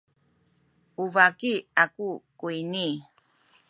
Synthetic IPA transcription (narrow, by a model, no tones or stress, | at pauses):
uvakiakukuini